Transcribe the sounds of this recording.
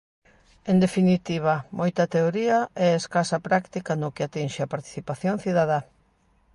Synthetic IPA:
end̪efinit̪iβ̞ɐmʔojt̪ɐt̪eoɾiɐɛeskasapɾakt̪ikanʊkɪat̪inʃɪapaɾt̪i̥θipaθjoŋθiðaða

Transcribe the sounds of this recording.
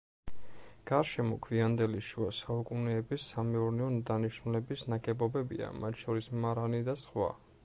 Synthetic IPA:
ɡ̥aɾʃɛmɔkʰviand̪ɛliʃuasaukʼunɛːbisːamɛuɾnɛɔd̪aniʃnulɛbisnaɡʼɛbɔbɛbḭa̰mat̪ʰʃɔɾismaɾanid̪asχwa̰

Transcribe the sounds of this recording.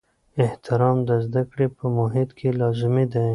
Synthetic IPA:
ɪht̪ɪɾɑmd̪əzd̪akɽepəmʊɦɪt̪kʰelɑzɪmid̪a

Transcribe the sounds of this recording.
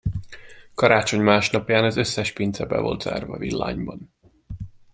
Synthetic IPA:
kɒɾaːt͡ʃo̞ɲmaːʃnɒpjaːnɒzø̞sːɛʃpint̪sɛbɛ̰vo̞̰lt̪z̥a̰ːrvɒvilːa̰ːɲbɒn

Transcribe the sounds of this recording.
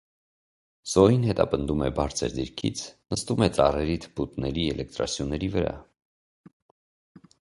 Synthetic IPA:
z̥ɔinhɛt̪ɑpənd̪umɛbɑɾt͡sʰə̰ɾd̪iɾkʰḭt͡sʰnəst̪umɛt͡sɑrɛɾit̪ʰbut̪nɛɾiɛlɛk̚t̪ɾɑ̰sʰjunːɛɾivəɾɑ̰

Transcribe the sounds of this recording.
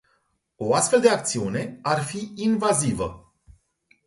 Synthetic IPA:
o̞ast̪feld̪eakt̪siune̞arfiinvazivə̰

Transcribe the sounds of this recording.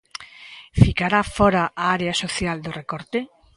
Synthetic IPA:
fikaɾafɔɾaʔaaɾeasoθjald̪orekɔɾt̪e

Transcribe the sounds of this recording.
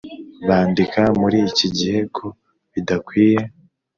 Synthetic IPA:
βaːndikamuɾiciɟihe̞kʰo̞ | βidakwiːje̞

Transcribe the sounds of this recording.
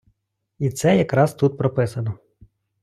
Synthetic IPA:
it̪sɛjɐkɾɑzt̪ut̪̚pɾɔpɪsɐnɔ

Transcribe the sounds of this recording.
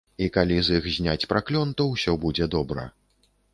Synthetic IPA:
ikalʲizixzʲnʲat͡sʲpɾaklʲɔnt̪ɐwsʲɔbud͡zʲɛd̪ɔbɾɐ̰

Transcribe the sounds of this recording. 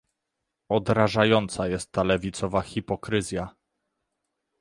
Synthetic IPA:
ɔd̪ɾaʐajɔnt̪sajɛst̪ːalɛvʲit̪sɔvaxʲipɔkɾɘzʲja

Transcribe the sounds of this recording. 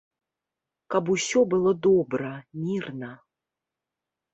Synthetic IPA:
kabusʲɔbɨlˠɔd̪ɔbɾɐmʲirnɐ

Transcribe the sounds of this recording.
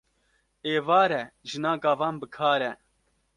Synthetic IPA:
eːvɑːɾɛʒɨnaːɡɑːvɑːnbɨkʰɑːɾɛ

